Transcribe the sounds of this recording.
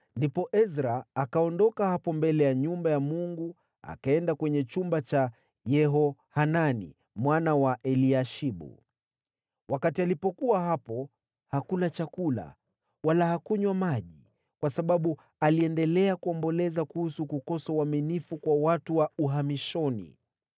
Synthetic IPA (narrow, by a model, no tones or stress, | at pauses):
ndipɔʔɛzɾaːkaɔndɔkahapɔmbɛlɛjaɲumbajamuŋɡu | a̰kaɛndakwɛɲɛt͡ʃumbat͡ʃa | jɛɦɔhananḭ | mwanawaʔɛliaʃiɓṵ | wakatialipɔkuaɦapɔ | hakulat͡ʃakula̰ | walahakuɲwamaʄi | kwasaɓaɓu | aliɛndɛlɛakuɔmbɔlɛzakuhusukukɔsauwaminifukwawatuwauɦamiʃɔnḭ